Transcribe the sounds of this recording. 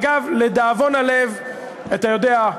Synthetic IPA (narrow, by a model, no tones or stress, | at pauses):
ɡavled̪aːvo̞nale̞v | at̪ajo̞dea